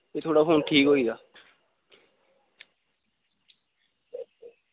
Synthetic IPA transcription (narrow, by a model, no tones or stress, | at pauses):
eːt̪ʰoːɽaːpʰoːnʈʰiːkɦoːiːɡaː